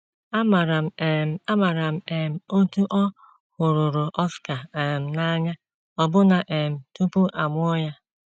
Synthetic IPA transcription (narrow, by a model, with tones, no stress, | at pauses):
a˦ma˨ɾa˨m˨a˦ma˨ɾa˨m̩˨e˨m̩˨o˦tu˦ʔɔ˦ | hʊ˨ɾʊ˨ɾʊ˨ʔɔ˦ska˨e˨m̩˨na˦ɲa˦ | ɔ˦bʊ˦na˨ʔe˨m̩˨tu˦pu˦ʔa˨mʷʊ˦ɔ˦ja˦